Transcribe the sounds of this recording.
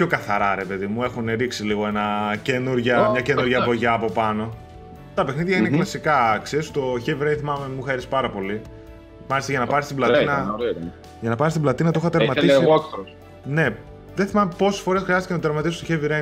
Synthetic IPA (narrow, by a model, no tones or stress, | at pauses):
pço̞kɐθɐɾɐɾe̞pe̞ðimue̞xuneɾiksiliɣo̞e̞nɐce̞nuɾʝɐmɲɐce̞nuɾʝɐvoʝɐːpo̞pɐno̞ | t̪ɐpexniðʝɐineklɐsikɐkseɾist̪o̞çeviɾejθimɐmemuxeɾispɐɾɐpo̞li | mɐlist̪ɐʝɐnɐpɐɾist̪iblɐtt̪iinɐɾ | ʝɐnɐpɐɾist̪iblɐt̪inɐt̪ooxɐt̪eɾmɐt̪isikɾo | ne̞ | ðeθimɐmepo̞sesfo̞ɾesxɾiɐst̪icenɐtot̪eɾmɐt̪isist̪oçeviɾe